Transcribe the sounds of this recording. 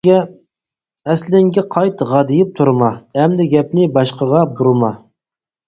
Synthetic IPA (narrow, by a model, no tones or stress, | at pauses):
ɛ | ɛslɪŋɡʲɛqʰɑjt̪ʁɑd̪ɨjɪp̚t̪ʰuɾmɑɛmd̪ɪɡʲɛp̚nɪbɑʃqɑʁɑbuɾmɑ